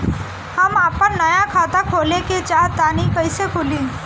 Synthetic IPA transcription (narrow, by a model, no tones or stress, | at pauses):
həmaːpənːəjãkʰaːt̪akʰoːleket͡ʃaːɾt̪aːnipəɪsekʰʊlĩː